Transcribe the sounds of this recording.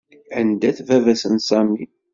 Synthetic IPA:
ʕənd̪æθvævæsənsˤɑmi

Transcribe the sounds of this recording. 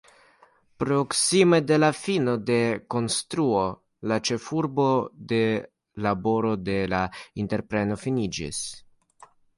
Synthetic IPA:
pɾo̞ksimede̞lafino̞de̞ko̞nstɾuo̞ | lat͡ʃe̞fuɾbo̞de̞ | labo̞ɾo̞de̞lainte̞ɾpɾe̞no̞finid͡ʒḭs

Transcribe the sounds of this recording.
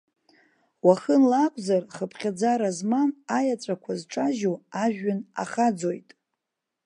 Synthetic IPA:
waχənlakʷʼzarχəpʰχʲad͡zaɾazmanajat͡sʷʼakʷʰazʈ͡ʂʼaʒoaʒᶣana̰χad͡zo̞jtʼ

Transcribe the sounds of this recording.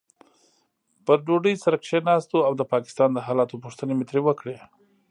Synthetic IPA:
pəɖoɖəjsaɾəkʃenɑst̪oawd̪əpɑkɪ̥st̪ɑnd̪əɦɑlɑt̪opuʂt̪ənemɪt̪ɾewəkɽe

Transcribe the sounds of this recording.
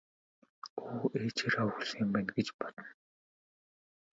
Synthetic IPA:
oːeːt͡ɕʰerawxuɮmpæːnɡet͡ɕpɔt̪ɞ̆n

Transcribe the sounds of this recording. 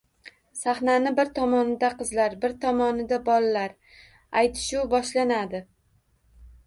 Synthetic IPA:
saχnanɪbɪɾt̪ʰɒmɒnɪd̪aqʰɨzlaɾbɪɾt̪ʰɒmɒnɪd̪abɒlaːaɾ | ajt̪ʰɪ̥ʃʊbɒʃlanad̪ɪ

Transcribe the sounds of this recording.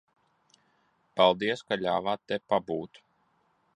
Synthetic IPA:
palˠd̪iɛskaʎʲaːvaːt̪ːepabuːt̪

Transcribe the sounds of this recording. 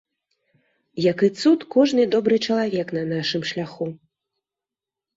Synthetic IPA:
jɐkɨt̪sut̪kɔʐnɨd̪ɔbɾɨt͡ʂɐlˠavʲɛknɐnaʂɨmʂlʲaxu

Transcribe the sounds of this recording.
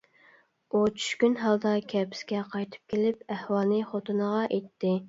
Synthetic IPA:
ut͡ʃʰy̥ʃkʲynɦɑlˠd̪ɑkʲʰɛpʰɪ̥skʲɛqʰɑjt̪ʰɨ̥p̚kʲelɪpæhwɑlˠnɨχot̪ʰunəʁɑʔet̪ʰːɪ

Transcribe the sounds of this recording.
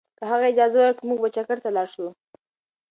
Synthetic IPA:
kəɦaɣaɪd͡ʒɑzawəɾkimuɡ̚bat͡ʃakaɾt̪alɑɾʃu

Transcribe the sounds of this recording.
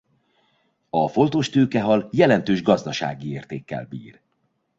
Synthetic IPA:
ɒfo̞nt̪oːʃt̪øːkɛɦɒljɛlɛnt̪øːʒɡɒzd̪ɒʃa̰ːɡieːrt̪eːkːɛ̰lbḭːr

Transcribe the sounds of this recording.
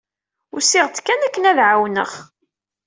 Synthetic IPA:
ʊɾsɪʁt͡sːkːænækːənæðʕawnə̰χ

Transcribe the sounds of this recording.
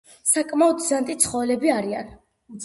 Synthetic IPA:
sakʼmaɔd̪zant̪ʼit̪sʰχɔvɛlɛbiaɾian

